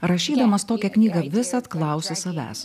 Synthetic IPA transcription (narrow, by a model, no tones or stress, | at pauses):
ɾɐʃʲiːd̪ɐmɐst̪oːkʲɛknʲiːɡɐʋʲɪsɐt̪klˠɐˑʊsʲɪsɐʋʲæ̰ːs